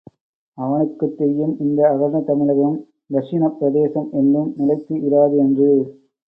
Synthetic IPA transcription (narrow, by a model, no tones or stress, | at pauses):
ɐʋɐnɯkːɯt̪ːɛjːɯmɪnd̪ɐːɣɐɾnɐt̪ɐmɪɻɐɣɐm | d̪ɐʂɪnɐpːɾɐðeːsɐmɛnːɯmnɪlɐɪt̪ːɯʔɪɾaːðɯɛndrɯ